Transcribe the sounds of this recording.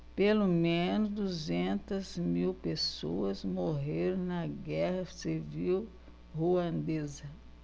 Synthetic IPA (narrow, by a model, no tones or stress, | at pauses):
pelomẽnʊzd̪uzẽnt̪ɐzmiwpesoɐzmoɦeɾõw̃nɐɡɛhɐsiviw | huɐ̃nd̪ezɐ